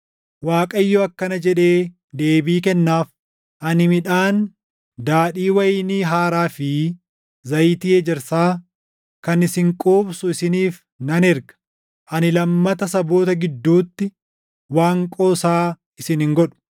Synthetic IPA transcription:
waːkʼɐɪjːɔɐkːɐnɐd͡ʒɛᶑe̞ː | d̪e̞ːbiːkɛnːaːf | ʔɐnɪmɪᶑaːn | d̪aːᶑiːwɐjniɦaːɾaːfɪ | zɐjt̪iːɛd͡ʒɛɾsaː | kɐnɪsɪŋkʼoːbsʊɪsɪniːf | nɐnɛɾɡɐ̥ | ʔɐnɪlɐmːɐt̪ɐsɐbo̞ːt̪ɐɡɪd̪ːuːt̪ːɪ | waːŋkʼo̞ːsaː | ʔɪsɪnɪŋɡɔᶑʊ̥

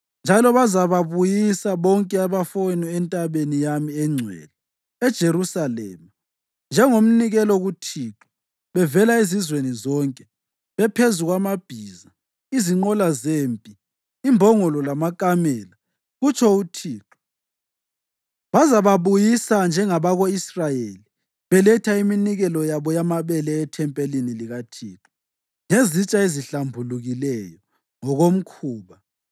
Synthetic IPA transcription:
nd͡ʒʱalɔβazaβaβujisaβɔŋkʼɛaβafɔnɔɛntʼaβenijamiɛŋ͡ǀʱwɛ̰ːlɛ | ɛd̥ʒ̥ʱerusalɛ̰ːma | nd͡ʒʱɛŋom̩niɣɛlɔɣutʰiːǁɔ̥ | βɛvɛlaizizwenizɔːŋkʼɛ | βɛpʰezuɣwamab̥ʱiːza | iziŋ͡ǃɔlazeːmpʼiː | mbʱɔŋɔlɔlamakʼamɛla | ɣut͡ʃʰʼɔutʰiːǁɔ̥ | βazaβaβujisand͡ʒʱɛŋaβaɣoisrajeli | βɛlɛtʰaiminiɣɛlɔjaβɔjamaβɛlɛːtʰɛmpʼeliniliɣatʰḭːǁɔ̥ | ŋezit͡ʃʼaeziɬambʱuluɣilɛjɔ | ŋɔɣom̩kʰuːβa

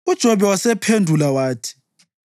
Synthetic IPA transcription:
ud̥ʒ̥ʱɔβɛwasɛpʰendʱulawaːtʰi̥

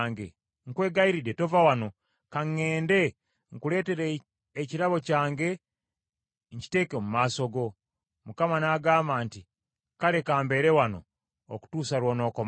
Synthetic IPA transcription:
ŋɡe | ŋkwe̞ːɡaiɾiɾeto̞vawano̞ | kaŋːeːnde̞ | ŋkule̞ːte̞ɾeː | ciɾaβo̞caːŋɡe̞ | ɲci̥te̞ːkemumaso̞ɡo̞ | mukamanaːɡaːmbaːnti | kale̞kaːmbe̞ɾewano̞̰ː | ku̥tuːsalwo̞ːno̞ːkoma

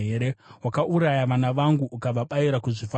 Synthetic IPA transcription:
eɾeɦwakaʔuɾajaʋanaʋaŋɡuʔːkab͡vaɓaiɾakuʐifa

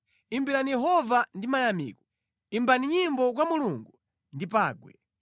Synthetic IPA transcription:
imbiɾanijɛɦɔvandimajamḭkɔ | imbaniɲimbɔk̬wamuluŋɡu | ndipaːɡwɛ̰

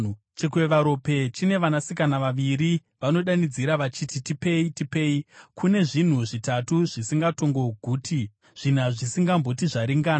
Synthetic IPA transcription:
t͡ʃekuweʋaɾo̞pe̞t͡ʃine̞ʋanasikanaʋaʋiɾi | ʋano̞ɗanid͡ziɾaʋat͡ʃititipe̞itipe̞ikʰune̞ʐin̤uʐitatuʐ̥isiŋɡato̞ŋɡo̞ɡʱuːtʰi | ʐ̥in̤aʐisiŋɡambo̞tiʐaɾiŋɡaːna

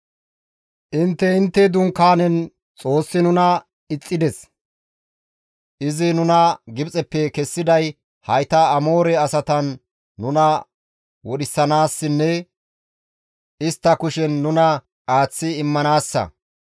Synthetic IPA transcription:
ʔɪnt̪ːɛɪnt̪ːɛd̪ʊŋkːaːnɛn | t͡sʼo̞ːsːɪnʊnɐ | ɪt͡sʼːɪd̪ɛs | ʔɪzɪnʊnɐɡɪbt͡sʼɛpːɛkɛsːɪd̪ɐj | hɐjt̪ɐɐmoːɾɛɐsɐt̪ɐnː | ʊnɐ | wɔɗɪsːɐnaːsːɪnːɛ | ʔɪst̪ːɐkʊʃɛnːʊnɐ | aːt͡sːɪɪmːɐnaːsːɐ̰

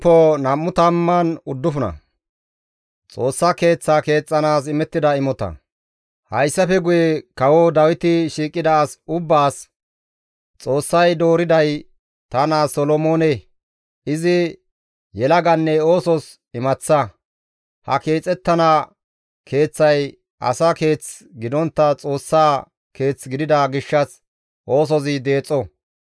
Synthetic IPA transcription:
pːɔnɐmːʊt̪ɐmːɐnʊd̪ːʊfʊnɐ̰ | t͡sʼo̞ːsːake̞ːt͡sːaːke̞ːt͡sʼːɐnaːsɪmɛt̪ːɪd̪ɐɪmɔt̪ɐ̰ | hɐjsːɐfɛɡʊjɛkɐwɔd̪ɐwɪt̪ɪʃiːkʼːɪd̪ɐːsʊbːaːs | t͡sʼo̞ːsːɐjd̪o̞ːɾɪd̪ɐj | t̪ɐnasɔlɔmo̞ːne | ʔɪzɪ | jɛlɐɡɐnːɛo̞ːsɔs | ɪmɐt͡sːɐ | hɐ̰ke̞ːt͡sʼɛt̪ːɐnɐ | kʰe̞ːt͡sːɐj | ʔɐ̰sɐke̞ːt͡s | ɡɪd̪ɔnt̪ːɐt͡sʼo̞ːsːaː | ke̞ːt͡sɡɪd̪ɪd̪ɐɡɪʃːɐs | ʔo̞ːs̬ɔzɪd̪e̞ːt͡sʼːɔ

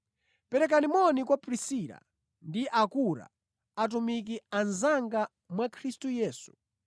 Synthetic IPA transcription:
pɛɾɛk̬animɔnikwapɾisiɾa̰ | ndiʔakuɾa̰ | at̬umik̬ianzaŋɡa | mwakʰɾistujɛːsu̥

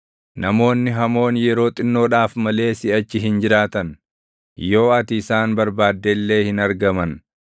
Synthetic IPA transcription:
nɐmo̞ːnːɪɦɐmo̞ːnjɛɾo̞ːt̪ʼɪnːo̞ːᶑaːfmɐle̞ːsɪɐt͡ʃːɪɦɪnd͡ʒɪɾaːt̪ɐn | jo̞ːɐt̪ɪːsaːnbɐɾbaːd̪ːelːe̞ːhɪnɐɾɡɐmɐn

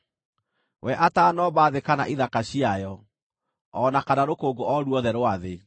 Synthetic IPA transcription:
wɛʔataːnɔbaðekanaʔiðakaɕiajɔ | ɔnakanaɾokoːɡoʔɔɾuɔðɛɾoaðe

